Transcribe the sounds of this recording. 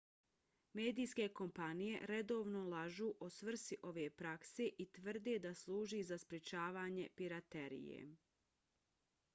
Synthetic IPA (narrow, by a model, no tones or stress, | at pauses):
me̞ːd̪iːjske̞ko̞mpanije̞̰ɾe̞d̪o̞ːʋnolaʒuːʔosʋr̩siʔo̞ʋe̞ːpɾakse̞ʔit̪ʋr̩d̪ed̪aslˠuːʒizaspɾet͡ʃaːʋaːɲe̞piɾat̪eɾḭjḛ